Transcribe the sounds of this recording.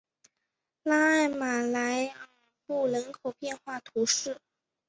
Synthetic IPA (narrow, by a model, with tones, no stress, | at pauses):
la˥a˥˩ɪma˨˩la˧˥ɪa˥ | pu˥˩ɻə˧˥nkʰo˨˩ʊpjɛ˥˧nxwa˥˩t̪ʰu˧˥ʂɻ̩˥˩